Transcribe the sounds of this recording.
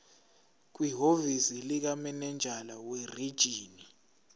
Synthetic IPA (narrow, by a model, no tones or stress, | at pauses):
k̬wiɦovisilik̬amɛnɛnd͡ʒʱalawerid̥ʒ̥ʱiːni